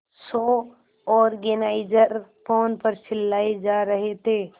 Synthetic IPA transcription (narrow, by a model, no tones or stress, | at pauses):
so | ɔːɾɡenaɪd͡ʒəɾpʰoːnpəɾsɪlːaːed͡ʒaɾəɦet̪e